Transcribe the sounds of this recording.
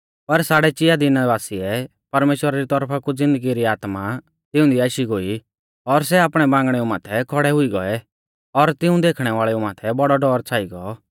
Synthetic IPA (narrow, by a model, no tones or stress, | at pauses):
pɐɾsaːɽɛt͡ʃɪjad̪inɐʋaːsiɛ | pɐɾmeːʃwəɾaɾit̪ɔɾpʰakud͡zɪ̃nd̪əɡiɾiaːt̪ma | t̪ɪʊ̃d̪iaːʃiɡoːi | ɔɾsɛaːpɽ̃ɛbãːŋɡəɽ̃ɛũmaːt̪ʰɛkʰɔɽɛɦʊiɡɔɛ | ɔɾt̪ɪũd̪eːkʰɽ̃ɛʋaːɭɛũmaːt̪ʰɛbɔɽɔɖɔːɾt͡sʰaːiɡɔ